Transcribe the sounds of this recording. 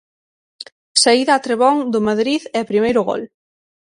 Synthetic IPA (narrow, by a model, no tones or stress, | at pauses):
saiðaːt̪ɾeβɔŋd̪ʊmaðɾiðɛapɾimejɾʊɣɔ̰l